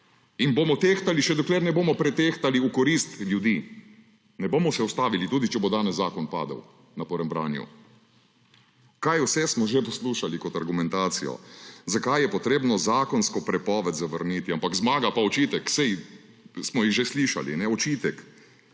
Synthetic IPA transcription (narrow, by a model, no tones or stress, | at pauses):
inbomɔt̪eːxt̪aliʃɛd̪ɔkleːɾnɛboːmɔpɾɛt̪eːxt̪aliukɔɾiːst̪ljud̪iː | nɛboːmɔsɛɔst̪aːʋilit̪uːd̪it͡ʃɛbod̪aːnɛsːaːkɔnpa̰ːd̪ə̰w | napoɾɛmbɾa̰ːnjṵ | kajusɛsmɔʒepɔsluːʃalikɔt̪aɾɡumɛnt̪aːt̪sḭjɔ̰zakajjɛpɔt̪ɾeːbnɔzaːkɔnskɔpɾɛpɔːʋɛt̪zaʋəɾniːt̪iampakzmaːɡapaɔt͡ʃiːt̪ɛksɛj | smɔjiɣʒesliːʃa̰lḭnɛɔt͡ʃiːt̪ɛk